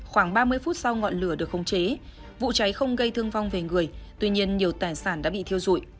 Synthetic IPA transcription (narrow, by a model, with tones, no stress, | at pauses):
xwaː˧˩ŋɓaː˧mɨ˧əjfu˦˥t̚sa˧wŋɔ̰˧˨nlɨ˧˩əɗɨ˨˩ək̚xə˨˦wŋ͡mt͡ɕe˨˦ | vṵ˧˨t͡ɕa˨˦jxə˧wŋ͡mɣə˧jt̪ʰɨ˧əŋva˧wŋ͡mve˨˩ŋɨ˨˩əjt̪wi˧ɲi˧ənɲi˨˩əwt̪aː˨˩jsaː˧˩nɗa̰ː˧˥ɓḭ˧˨t̪i˧əwzṵ˧˩˨j